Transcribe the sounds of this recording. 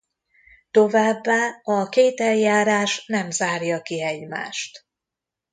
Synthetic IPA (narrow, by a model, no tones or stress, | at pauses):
t̪o̞vaːbːaːɒkeːt̪ɛljaːɾaːʃnɛmzaːrjɒkiɛɟma̰ːʃt̪